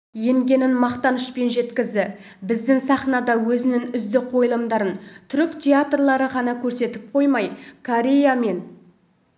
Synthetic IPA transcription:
je̞ŋɡʲe̞nɪnmɑqt̪ɑnəʃpe̞nʒe̞t̪kʲɪzd̪ɪ | bɪzd̪ɪŋsɑχnɑd̪ɑwɵzɪnɪŋʏzd̪ɪqʰo̞jəlˠəmd̪ɑɾənt̪ʰʏɾʏkt̪ʲʰeat̪rlˠɑɾəʁɑnɑkʲʰɵɾse̞t̪ɪp̚qʰo̞jmɑjkʰoɾʲe̞jame̞n

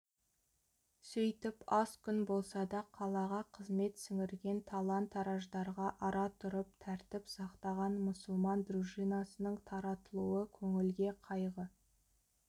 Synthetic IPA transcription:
sʏjt̪ɪpɑskʲʰʏnbo̞lˠsɑd̪ɑqʰɑlˠɑʁɑqʰəzme̞t̪sɪŋɪɾɡʲe̞nt̪ʰɑlˠɑnt̪ʰːɑɾɑʒd̪ɑɾʁɑʔɑɾɑt̪ʰʊɾəp̚t̪ʰæɾt̪ɪpsɑqt̪ɑʁɑnmʊsəlˠmɑnd̪ruʃijnɑsənəɴt̪ʰɑɾɑt̪əlˠuəkʲʰɵŋɪlɡʲe̞qʰɑjʁə

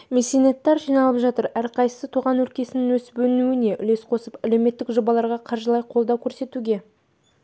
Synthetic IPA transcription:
mesʲenet̪ːɑɾʒijnɑlˠəpʒɑt̪əɾæɾqʰɑjsə̥sət̪ʰuʁɑnwɵɾkʲe̞sɪnɪnwɵsbɵɪnuɪne̞ʔʏ̰le̞sqʰo̞səpæle̞wme̞t̪ːɪkʒo̞bɑlˠɑɾʁɑqʰɑɾʒəlˠɑjqʰo̞lˠd̪ɑwkʲʰɵɾse̞t̪uɡʲe̞

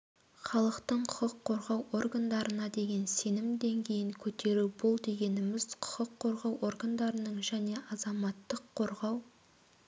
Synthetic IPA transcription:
χɑlˠəqt̪əɴqʰʊ̥qəqʰːo̞ɾʁɑwʔorɡand̪ɑɾənɑd̪e̞ɡʲe̞nse̞nɪmd̪e̞ŋkʲe̞jɪŋkʲʰɵt̪e̞ɾubʊlˠd̪e̞ɡʲe̞nɪmɪz̥qʰʊ̥qəqʰːo̞ɾʁɑwʔo̞rɡand̪ɑɾənəɴʒæne̞ʔɑzɑmɑt̪ːəqʰːo̞ɾʁɑw

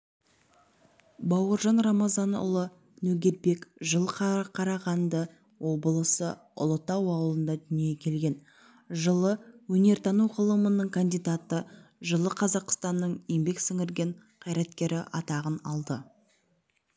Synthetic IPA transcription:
bɑwəɾʒɑnrɑmɑzɑnʊ̰lˠə | nɵɡʲe̞ɾbe̞kʒəlˠqʰqʰɑɾɑʁɑnd̪ə | wo̞bəlˠəsə | ʊ̰lˠət̪ɑwɑwlˠənd̪ɑd̪ʏnijekʲʰe̞lɡʲe̞n | ʒəlˠəwɵne̞ɾt̪ʰɑnuqʰəlˠəmənəɴkʰand̪ijd̪at̪əʒəlˠəqʰɑzɑqst̪ɑnːəɴjembe̞ksʏŋɪɾɡʲe̞ɴ | qʰɑjɾɑt̪kʲe̞ɾɪʔɑt̪ɑʁənɑlˠd̪ə

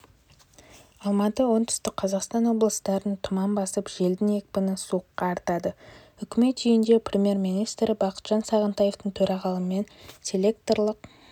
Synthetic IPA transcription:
ɑlˠmɑt̪əwo̞nt̪ʰʏ̥st̪ɪk̚qʰɑzɑqst̪ɑnwo̞blˠəst̪ɑɾənt̪ʰʊmɑmbɑsəpʒe̞ld̪ɪne̞k̚ʲpɪnɪsuəqːɑːɾt̪ɑd̪ə | ʏkʲɪme̞t̪ʒijɪnd̪e̞prʲemʲje̞ɾminijst̪ɾʔɪbɑqə̥t̪ʒ̥ɑnsɑʁənt̪ɑje̞ft̪əɴt̪ʰɵɾɑʁɑlˠəme̞nt̪ʲʰelʲe̞k̚t̪orlˠəq

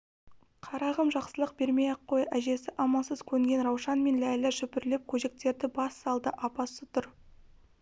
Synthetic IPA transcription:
qʰɑɾɑʁəmʒɑqsəlˠəq̚be̞ɾme̞jɑqʰːojæʒe̞sɪʔɑmɑsəz̥kʲʰɵŋɡʲe̞nɾɑwʃɑnme̞nlælɪʃʏpɪɾle̞p̚kʲʰɵʒe̞k̚t̪e̞ɾd̪ɪbɑsːɑlˠd̪əʔɑpɑsət̪ʰʊɾ

